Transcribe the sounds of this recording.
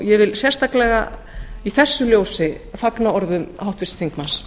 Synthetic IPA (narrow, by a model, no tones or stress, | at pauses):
jɛvɪlsjɛ̥st̪aklɛɣa̰ | iθɛsːʏljoːwsɪ | faknaɔɾðʏmhawht̪vɪst̪θiŋkmans